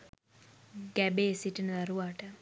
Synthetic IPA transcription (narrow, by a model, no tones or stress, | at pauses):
ɡæbeːsiʈinəd̪aɾuʋaːʈə